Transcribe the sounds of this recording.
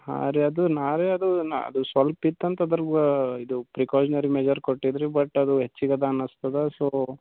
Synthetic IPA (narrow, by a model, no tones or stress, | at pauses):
ha̰ːɾeɐd̪unaːɾeɐd̪unɐ̰d̪usʋɐlpit̪ːɐnt̪ɐd̪ɐɾɡuid̪upɾikoːd͡ʒinɐɾimed͡ʒɐɾkoʈːid̪ɾibɐʈːɐd̪uɦet͡ʃːiɡɐd̪ɐːnɐst̪ɐd̪esoː